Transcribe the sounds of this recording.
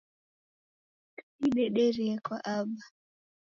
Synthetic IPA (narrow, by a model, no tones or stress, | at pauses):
kasiɗɛɗɛɾɛɛkwaʔaɓa